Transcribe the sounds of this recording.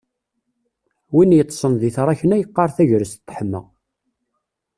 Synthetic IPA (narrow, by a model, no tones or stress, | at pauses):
winjət̪ˤːsˤənðiθɾˤɑçənæjəqːɑɾˤθæʝɾəst̪ːħəmːə̰